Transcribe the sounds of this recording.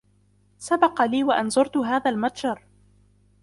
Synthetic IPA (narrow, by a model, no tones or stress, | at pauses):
sabɑqɑliːwaʔanzʊɾt̪ʊɦaːðaːlmat̪ˤʒɑɾˤ